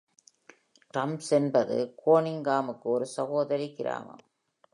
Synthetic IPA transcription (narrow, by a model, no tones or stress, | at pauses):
ʈɐmsɛnbɐðɯ̰koːɳɪŋɡaːmɯkːɯɔɾɯsɐɣoːðɐɾikɪɾa̰ːmɐ̰m